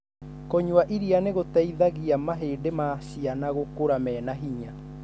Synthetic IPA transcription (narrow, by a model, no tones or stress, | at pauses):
kɔɲuaʔiɾianeɣotaiðaɣiamaɦeːdemaɕianaɣokoɾamɛːnaɦiɲa